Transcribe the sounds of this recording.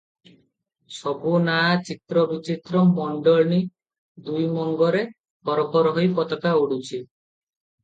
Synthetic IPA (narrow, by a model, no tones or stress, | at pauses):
sɔbʱunaat͡ʃit̪ɾɔbit͡ʃit̪ɾɔmɔɳɖɔɭni | d̪ujmɔŋɡɔɾe | bɔɾɔpɔɾɔɦojpɔt̪ɔkauɽut͡ʃʰi